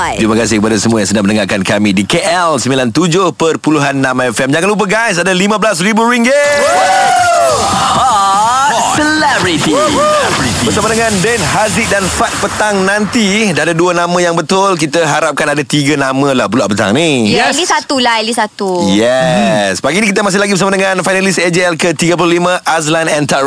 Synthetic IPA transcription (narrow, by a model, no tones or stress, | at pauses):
ɾimakas̬ɪhkəpadasəmuajaŋsənaŋmənəŋakankamĩdikeʔɛlsəmilant̪ud͡ʒʊhpərpuluɦanːãmɛfɛmd͡ʒaŋanlup̬əɡajs̬adalimə̃bəlasribuɾiŋɡe | səlɛbɹit̪iɛit̪ibərsamədəŋãndɛnɦazik̚danfat̪̚pət̪aŋnãnt̪idaadaduənãmə̃jaŋbət̪ʊlk̬it̪əɦaɾap̚kanadat̪iɡanamə̃la̰hbula̰ʔpət̪a̰ŋnilisat̪ulalisat̪ujɛsbaɡinĩkit̪̬əmas̬ɪhlaɡibəs̬amadəŋanfajnalised͡ʒeɛlkət̪iɡəp̬ululimə̃ʔas̬landɛnt̪a